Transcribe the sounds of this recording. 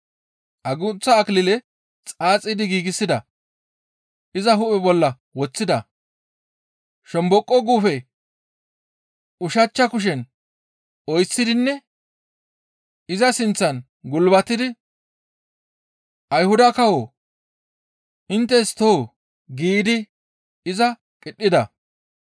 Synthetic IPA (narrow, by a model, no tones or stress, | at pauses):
ʔɐɡʊt͡sːɐːklɪlɛ | t͡sʼaːt͡sʼːɪd̪ɪɡiːɡɪsːɪd̪ɐ | ʔɪzɐɦʊʔɛbɔlːɐ | wɔt͡sːɪd̪ɐ | ʃɔmbɔkʼːɔɡuːfɛ | ʔʊʃɐt͡ʃːɐkʊʃ̬ɛn | ɔjsːɪd̪ɪnːɛ | ɪzɐsɪnt͡sːɐn | ɡʊlbɐt̪ːɪd̪ɪ | ʔɐjhʊd̪ɐkɐwoː | ʔɪnt̪ːɛst̪oː | ɡiːd̪ɪ | ɪzɐ | kʼɪɗːɪd̪ɐ̰